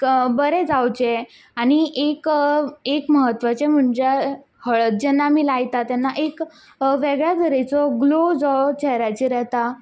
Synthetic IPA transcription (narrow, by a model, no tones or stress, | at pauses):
bəɾed͡zawt͡ɕe | aɽ̃iʔekekməɦət̪ʋat͡ɕem̤əɳd͡ʑe | həɭət̪̚d͡ʑənːamiːlajt̪at̪janːaʔek | ʋeɡɭjad̪əɾet͡sɔɡlod͡zɔt͡ɕɛɦɾat͡ɕiɾɛɦt̪a